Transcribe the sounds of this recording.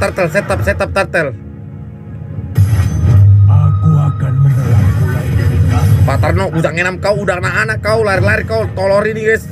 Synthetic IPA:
t̪ərt̪əlsɛt̪ap̚sɛt̪ap̚t̪art̪əl | akuakanməmbəlaku | pat̪ərnɔɡusaŋenamkauːdaknaʔanakaulaɪrlaɪrkaut̪ɔlɔɾiniɡɛs

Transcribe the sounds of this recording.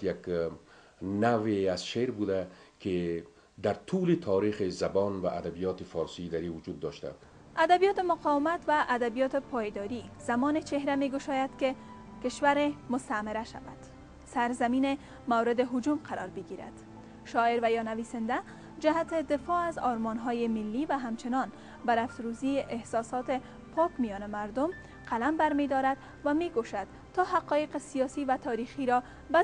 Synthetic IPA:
jak | naweazʃeɾbud̪ake | d̪aɾt̪ʰulet̪ʰɔɾixezabɔnwa̰ʔad̪abijɔt̪efɔɾsid̪aɾiwud͡ʒud̪̚ːɔʃt̪a̰ | ad̪abijɔt̪ɪmʊqɔwɪmat̪waʔːd̪abijɔt̪ɪpʰɒjd̪ɒɾiz̥amɔnet͡ʃeɦɾameɡʊʃɔjad̪kɪ | kɪʃwaɾemʊst̪amɪɾaʃa̰ba̰d̪̥ | saɾzamine | mawɾɪd̪ɪɦʊd͡ʒumqʰaɾɒ̰ɾbɪɡiɾa̰d̪̥ | ʃɔɪɾvajɔnavisɪnd̪a | d͡ʒaɦat̪ɪd̪ɪfɔazɒɾmɔnɦɔjɪmɪlːivaɦamt͡ʃɪnɒn | baɾaft̪ɾuziʔehsɒsɒt̪ɪ | pʰɒkmijɔnɪmaɾd̪ʊm | qalambaɾmed̪ɒɾad̪ | vameɡoʃad̪ | t̪ːɒɦaqɒjeqesijɒsivat̪ʰɒɾixiɾɒ | ba

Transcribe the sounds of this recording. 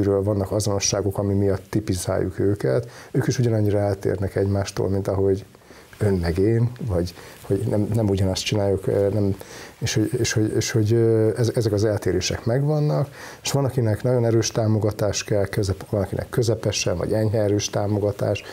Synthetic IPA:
yɾøːlvɒnːɒkɒzo̞no̞ʃːaːɡo̞kɒmimijɒt̪ːipiza̰ːjːṵkøːkɛ̰t̪øːkiʃuɟɒnɒɲːiɾɒɛlt̪ḛːrnɛkɛɟmaːʃt̪o̰lmint̪ɒɦo̞ɟ | ø̞nːɛɡeːnvɒɟ | ho̞ɟnɛmnɛmuɟɒnɒst̪t͡ʃinaːjukønɛmeːʃhoɟeːʃho̞ɟeːʃho̞ɟɛzɛzɛkɒzɛlt̪eːɾeːʃɛ̰kmɛɡvɒnːɒk | eʃʋɒnɒkinɛknɒɟo̞nɛɾøːʃt̪aːmo̞ɡɒt̪aːʃkɛlkøzɛvɒnɒkinɛ̰kːøzɛpɛʃɛnvɒ̰ɟɛɲɦɛɛɾøːʃt̪aːmo̞ɡɒt̪a̰ːʃ

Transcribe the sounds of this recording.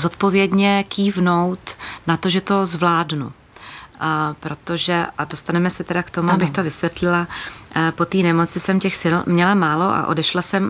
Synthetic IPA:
zot̪̚po̞vjɛdɲɛkiːvno̞wt̪nat̪o̞ʒɛt̪o̞zvlaːdnṵ | pɾo̞t̪o̞ʒɛʔado̞st̪anɛmɛsɛt̪ɛdakt̪o̞muabɪxt̪o̞vɪsvjɛt̪lɪlapo̞t̪iːnɛmot͡sɪsɛmcɛxsɪlmɲɛlamaːlo̞ʔa̰ʔo̞̰dɛʃlasɛm

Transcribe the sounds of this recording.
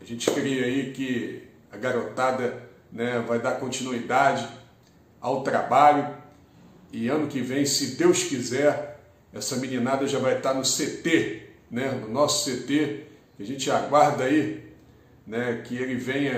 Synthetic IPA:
ɐʒẽt͡ʃɪ̥kɾiɐikɪ | ɐɡaɾot̪ad̪ɐ | nɛvajd̪aɾkõnt͡ʃinuid̪ad͡ʒɪ | awt̪ɾabaʎʊ | ɪɐ̃nʊkɪvẽj̃sɪd̪ewskizɛɾ | ɛsɐmĩnĩnad̪ɐʒavajt̪aɾnʊset̪enɛnʊnɔsʊ̥set̪e | kɪɐʒẽt͡ʃɪaɡwaɾd̪ɐai | nɛkɪelɪvẽj̃ɐ

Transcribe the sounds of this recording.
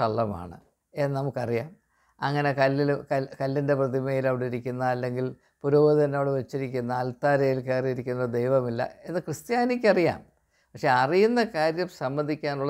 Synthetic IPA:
ɐɭːɐma̰ːɳɨ̰ | ennɐmukːɐrijaːm | ɐŋːɐne̞kɐlːilkɐkɐlːinde̞prɐðimɐjilɐʋiɽiɾikʲːunːɐɐlːe̞ŋɡil | puɾoːʋɐðɐnːo̞ːɽɨʋet͡ɕːiɾikʲːunːɐːlt̪aːɾɐjilke̞ːriiɾikʲːunːɐd̪ejʋɐmilːɐ̰enɨkrɨst̪jaːnikʲːɐrija̰ːm | pɐkʂe̞ɐrijunːɐkaːɾjɐmsɐmbɐnd̪ʱikʲːaːnuɭːɐ

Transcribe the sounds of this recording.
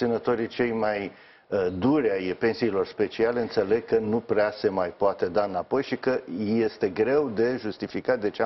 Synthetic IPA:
t̪sinət̪o̞ɾit͡ʃe̞jmaj | d̪uɾʲajpe̞nsiːlo̞rspe̞t͡ʃiale̞ɨnt̪se̞le̞ɡ̚kənupɾease̞majpoat̪e̞d̪aɨnapo̞jʃikəje̞st̪e̞ɡɾe̞wd̪e̞ʒust̪ifikat̪ʲd̪e̞t͡ʃea

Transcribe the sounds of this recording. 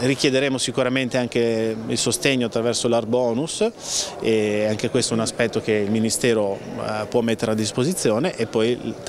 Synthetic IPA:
rik̟jed̪eɾeːmosikuɾament̪eaŋk̟eilsost̪eɲːoat̪ːɾavɛrsolarbɔːnus | eaŋk̟ekwest̪oɛunaspɛt̪ːokeilminist̪ɛːɾopwɔmːet̪ːeɾead̪ːispozit̪sːjoːneʔepːɔj

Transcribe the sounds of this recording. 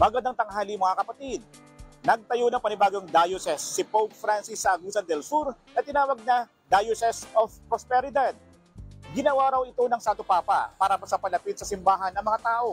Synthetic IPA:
mɐɡɐnd̪aŋt̪ɐŋɦaːlimɐŋakɐpɐt̪id̪̚ | nɐɡ̚t̪ɐjo̞nɐŋpɐnɪbaːɡoŋd̪ajosɛsːɪpowk̚fɾansɪsːɐʔɐɡusɐnd̪ɛlsuɾnɐt̪ɪnaːwɐɡ̚nɐ | d̪ajosɛsofpɾospɛɾɪd̪ad̪̚ | ɡɪnɐwaɾɐwɪt̪o̞nɐŋsaːt̪opaːpɐ̰paːɾɐmɐsɐpɐlɐpit̪̚sɐsɪmbaːɦɐnːɐŋmɐŋat̪aːʔo̞

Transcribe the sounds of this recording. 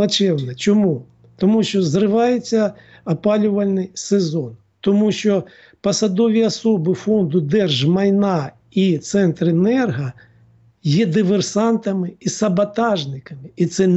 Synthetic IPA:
ɐt͡ʃɛwnɛt͡ʃɔmu | t̪ɔmuʃt͡ʃɔzrɪʋɑjet͡sʲːɐ | ɐpɑlʲʊʋɐlʲnɪjsezɔn | t̪ɔmuʃt͡ʃɔ | pɐsɐd̪ɔʋʲiɐsɔbɪfɔnd̪ʊd̪ɛrʒmɐjnɑ | it̪sɛnt̪ɾenɛrɦɐ | jɛd̪ɪʋersɑnt̪ɐmɪisɐbɐt̪ɑʒnɪkɐmɪit̪sɛ

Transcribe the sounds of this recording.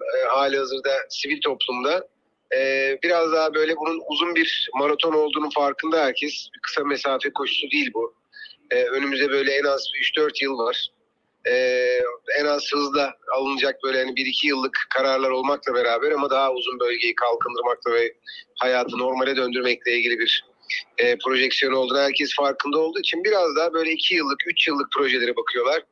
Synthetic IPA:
ɛɦaːlʲihazɯɾd̪asivilʲt̪ʰo̞plˠumd̪a | ɛːbiɾazd̪aɦabø̞jlʲɛbununuzunbiɾmaɾat̪ʰo̞no̞lˠd̪uːnunfaɾkɯnd̪aɦæɾcʰɛsbikʰɯ̥same̞saːfɛkʰo̞ʃu̥sud̪iːilʲbu | ɛːø̞nymyzd̪ɛbø̞jlʲɛɛnazbiyt͡ʃd̪øɾt̪jɯlˠvaɾ̥ | ɛːɛnaz̥hɯzd̪ˠaːlˠɯnɯd͡ʒak̚bø̞jlʲɛhanibiɾicʰijɯlˠːɯkkʰːaɾaɾlˠaɾo̞lˠmaklˠabe̞ɾaːbæɾamad̪aɦauzunbø̞lʲɟe̞jikʰalˠkʰɯnd̪ɯɾmak̚lˠavɛhajaːt̪ʰɯno̞ɾmalʲɛd̪ø̞nd̪yɾmɛclʲɛilʲɟʲilʲibiɾ̥ | ɛːpʰɾo̞ʒɛcsijo̞no̞lˠd̪unahæɾcʰɛsfaɾkɯnd̪aolˠd̪uːit͡ʃʰinbiɾazd̪aːbø̞jlʲɛicʰijɯlˠːɯkyt͡ʃjɯlˠːɯk̚pʰɾo̞ʒe̞lʲeɾɛbakʰɯjo̞lˠaɾ̥

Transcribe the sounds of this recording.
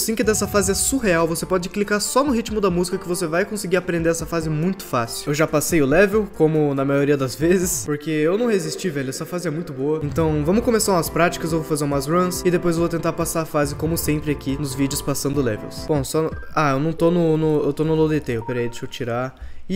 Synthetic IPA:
sĩkɪd̪ɛsɐfazɪɛsuɦeawvosepɔd͡ʒɪklikaɾsɔnʊɦit͡ʃmʊd̪ɐmuzikɐkɪvosevajkõsɪɡiɾapɾẽnd̪eɾɛsɐfazɪɛmũj̃t̪ʊ̥fasɪʊewʒapasejʊlɛvewkõmʊnɐmajoɾiɐd̪ɐzvezɪspoɾkeewnɐ̃w̃hezist͡ʃivɛʎʊɛsɐfazɪɛmũj̃t̪ʊboɐẽnt̪ɐ̃w̃vɐ̃mʊkõmesaũɐspɾat͡ʃi̥kɐzewvowfazeũmazɾɐ̃sɪd̪epojzewvot̪ẽnt̪aɾpasaɾɐfazɪkõmʊsẽmpɾɪakinʊzvid͡ʒɪʊspasɐ̃nd̪ʊlɛ̰vḛwsbõsɔaewnɐ̃w̃t̪onʊnʊewt̪onʊlod̪et̪eewpeɾaid̪eʃowt͡ʃiɾaɪ

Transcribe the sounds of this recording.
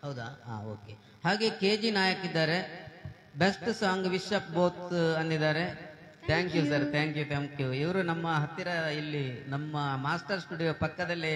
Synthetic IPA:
hɐwd̪aa̰ːoːke | haːɡe̞ke̞ːd͡ʒinaːjɐkid̪ːaːɾe̞ | besʈsaːŋɡʋiʃɐp̚boːt̪ɐnd̪id̪aːɾe̞ | t̪ʰaːŋkjus̬ɐɾt̪ʰaːŋkjut̪ʰaːŋkjuiʋɐɾunɐmːɐɦɐt̪ːiɾɐilːinɐmːɐmaːsʈɐɾsʈuɖijoːpɐkːɐd̪ɐlːi

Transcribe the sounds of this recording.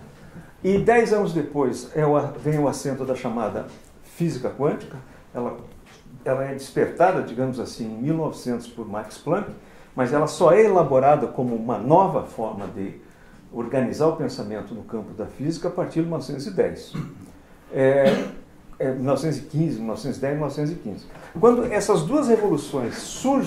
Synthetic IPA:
ɪd̪ɛjzɐ̃nʊzd̪epojsɛʊavẽj̃ʊasẽnt̪ʊd̪ɐʃamad̪ɐ̰ | fizikɐkwɐ̃nt͡ʃi̥kɐ | ɛlɐ | ɛlɐɛd͡ʒispeɾt̪ad̪ɐd͡ʒiɡɐ̃mʊzasĩẽj̃miwnɔvɪsẽnt̪ʊ̥spʊɾmaɾksplɐ̃kɪ̥ | mɐzɛlɐsɔɛelaboɾad̪ɐkõmʊũmɐnɔvɐfɔɾmɐd̪ɪ | oɾɡɐnizaɾʊpẽsamẽnt̪ʊnʊkɐ̃mpʊd̪ɐfizikɐːpaɾt͡ʃiɾdɪmilnɔvɪsẽt̪ʊzɪd̪ɛjs | ɛ | ɛmilnɔvɪsẽt̪ʊzɪkĩzɪmilnɔvsẽt̪zɪd̪ɛzmilnɔvɪsẽt̪̬ʊzɪkḭ̃zɪkwɐ̃nd̪ʊɛsɐzd̪uɐzhevolusõj̃sːuɾʒ

